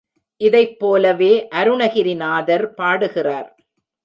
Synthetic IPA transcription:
ʔɪðɐɪpːoːlɐʋeːʔɐɾɯɳɐɣɪɾɪnaːðɐɾpaːɽɯɣɪraːɾ

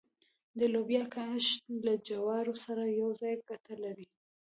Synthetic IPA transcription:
d̪əlobjɑkaʃtlad͡ʒawɑɾosaɾajawzɑjɡat̪alawi

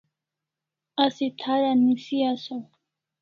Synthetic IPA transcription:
asit̪ʰaɾanisiasɔ

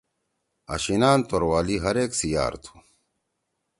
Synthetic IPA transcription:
ɐ̰ɕinaːnt̪oɾwaːliɦɐɾeːksija̰ːɾt̪ʰu̥

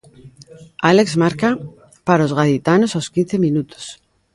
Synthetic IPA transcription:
alekzmaɾka | paɾaozɣaðit̪anosawskinθemĩnut̪o̥s

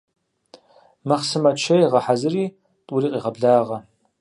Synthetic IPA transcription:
mɐχsɨmɐt͡ʃʰɐjʁɐħazɨriː | tʼuriːqʼiʁɐbɮaːʁɐ

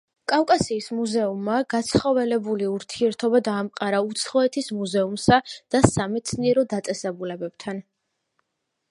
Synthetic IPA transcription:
kʼafkʼasiːsmuzɛumːaɡ̥at̪sʰχɔvɛlɛbuliuɾt̪ʰiɛɾt̪ʰɔbad̪aːmqʼaɾaut̪sʰχɔɛt̪ʰismuzɛumsad̪̥asamɛt̪sʰniɛɾɔd̪at̪sʼɛsɛbulɛbɛb̥t̪ʰan

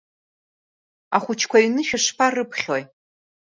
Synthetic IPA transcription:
a̰χʷʊt͡ʃʰkʷʰaɥnɨʃᶣɨʂpʰarɨpʰχʲoj

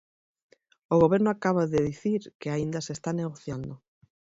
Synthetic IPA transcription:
oɣ̞oβeɾnoakaβaðeðiθiɾkeaind̪asest̪aneɣ̞oθjand̪o

